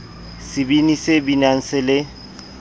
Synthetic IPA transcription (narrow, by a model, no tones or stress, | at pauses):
sɪbinisɪbinaŋ̩sɪlɪ